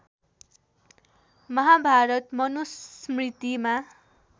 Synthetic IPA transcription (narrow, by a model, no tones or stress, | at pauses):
mʌɦabʱaɾʌt̪mʌnusmrit̪ima